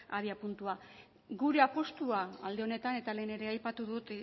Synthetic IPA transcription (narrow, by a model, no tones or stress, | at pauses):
aðiapunt̪ua | ɡuɾe̞apo̞st̪uaːld̪eo̞ne̞t̪ane̞t̪ale̞ːne̞ɾe̞ajpat̪uðut̪